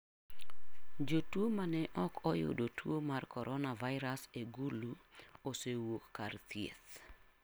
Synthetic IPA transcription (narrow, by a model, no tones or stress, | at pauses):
d͡ʒotwomanɛʔɔkʰɔjo̰dotwomarkɔɾʔɔnavaɪɾaseɡuluosewokːart̪jḛt̪